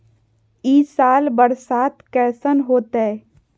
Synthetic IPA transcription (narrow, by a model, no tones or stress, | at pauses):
iːsaːlbəɾsaːt̪kɛːsənɦoːt̪ɛː